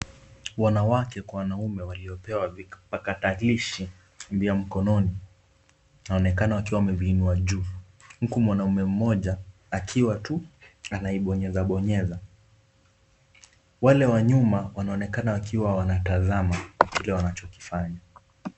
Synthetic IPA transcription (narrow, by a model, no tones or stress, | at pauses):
wanawakɛkwawanaumɛwaliɔpɛwavipakataliʃi | mbiam̩kɔnɔni | anaɔnɛkanawakiwawamɛviːnuaʄuː | m̩kumwanaumɛm̩mɔʄaː | kʰiwatuanaiɓɔɲɛzaɓɔɲɛza | walɛwaɲumawanaɔnɛkanawakʰiwawanataðamakilɛwanat͡ʃɔki̥faɲa